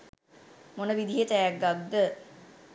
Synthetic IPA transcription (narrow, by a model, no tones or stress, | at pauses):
monəʋid̪iɦetæjæɡɡːad̪d̪ə